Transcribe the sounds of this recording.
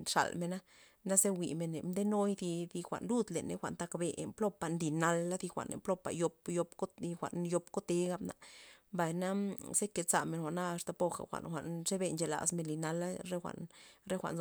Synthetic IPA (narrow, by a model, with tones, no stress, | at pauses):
ʂa̰˨lme˧na˦ | na˦ze˦wi˨me˨ne˨md̪e˦no˦jd̪i˧d̪i˧xʷa̰˨ʔnlu˦d̪le˨nḛ˦xʷa˨nt̪a˧kbḛ˧mplo˦pa˨nli˧˨na˧lːa˦d̪i˧xʷa̰˨nḛ˨mplo˦pa̰˨jo˧pjo˧pko˦i˧xʷa̰˨ʔnjo˧pko˦t̪e˦ɡa˧bna˨mba˨jna˦se˦ke˨t͡sa˨me˨nxʷa˨ʔna˦a˧st̪a˨po˧xa̰˨xʷa̰˨nxʷa̰˨ʔnʂe˦be˧nt͡ʃe˨la̰˨sme˧nli˨na˧la˦ɾe˦xʷa̰˨ʔnɾe˦xʷa̰˨ʔn